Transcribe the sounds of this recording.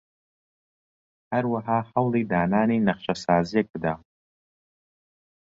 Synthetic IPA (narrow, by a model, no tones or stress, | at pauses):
ħarwaħaħawlejdaːnaːninaχʃʷʰʼasaːzekʷʼda